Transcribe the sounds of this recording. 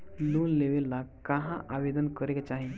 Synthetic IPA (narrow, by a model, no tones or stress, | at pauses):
luːnleʋelːakaɦãʔaʋed̪ənkəɾekt͡ɕaɦe